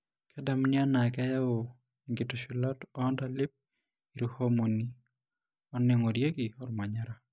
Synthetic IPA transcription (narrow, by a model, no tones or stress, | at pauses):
kʰɛdamnɪanakɛjao | iŋɡetɔʃilatɔndalɪp̚ | iɾihomoni | ɔnɛŋɔdjeɡiɔɾmaɲaɾa